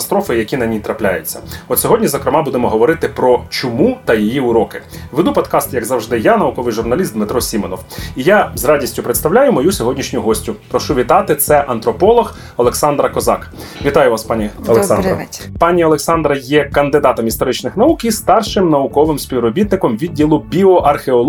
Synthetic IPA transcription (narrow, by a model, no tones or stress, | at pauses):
st̪ɾɔfɪjɐkʲinɐnʲijt̪ɾɐplʲa̰jʊt͡sʲːɐ̰ɔt̪sʲɔɦɔdʲnʲizɔkɾɪmɑbud̪emɔɦɔʋɔɾɪt̪ɪpɾɔt͡ʃɔmut̪ɐjijiʊɾɔkɪʋed̪upɔd̪kɑst̪jɐɡzɐwʒd̪ɪjanɐʊkɔʋɪjʒʊrnɐlʲist̪d̪mɪt̪ɾɔsʲimɔnɔwijazrɑdʲisʲtʲʊpɾet̪st̪ɐwlʲajʊmɔjusʲɔɦɔdʲnʲiʃnʲʊɦɔsʲtʲʊpɾɔʃuʋʲit̪ɑt̪ɪt̪sɛʔɐnt̪ɾɔpɔlˠɔx | ɔlˠeksɑnd̪ɾɐkɔzɑ̰k | ʋʲit̪ɑjʊʋɑspɑnʲiɐlˠeksɑnd̪ɾɐ̰pɑnʲiɔlˠeksɑnd̪ɾɐjɛkɐnd̪ɪd̪ɑt̪ɔmist̪ɔɾɪt͡ʃnɪxnɐukist̪ɑrʃɪmnɐʊkɔʋɪmsʲpʲiwrɔbʲit̪nɪkɔmʋʲid̚ʲːilˠʊbʲiɔʔɐrxeɔlˠ